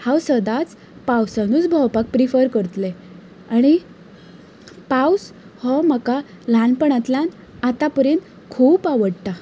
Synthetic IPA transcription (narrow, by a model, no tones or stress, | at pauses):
hawsəd̪at͡s | pawsanuːt͡sbʱɔwpak̚pɾifəɾkəɾt̪le | aɽ̃i | paws | hɔməka | lanpəɳat̪lan | at̪apəɾent̪ | kʰuːpaʋəɽt̪a